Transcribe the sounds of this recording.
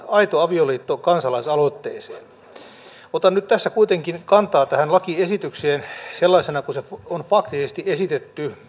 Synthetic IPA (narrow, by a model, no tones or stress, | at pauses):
ɑit̪oɑʋioliːt̪ːokɑnsɑlɑisɑlot̪ːeːsḛːn | ot̪ɑnnyt̪t̪æsːækuit̪eŋkinkɑnt̪ɑːt̪æhænlɑkiesit̪ykseːnselːɑisenɑkusefonfɑkt̪isest̪iesit̪et̪ːy